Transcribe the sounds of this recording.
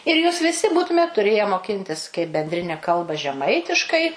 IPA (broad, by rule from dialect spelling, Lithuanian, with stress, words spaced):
ɪr ˈjuːs ʋʲɪˈsʲɪ ˈbuːtʊmʲeːt tʊˈrʲeːjɛ moːˈkʲɪnʲtʲɪs kɐɪp bʲɛnʲdʲˈrʲɪnʲɛ ˈkɐlˠbɐ ʒʲɛˈmɐɪtʲɪʃkɐɪ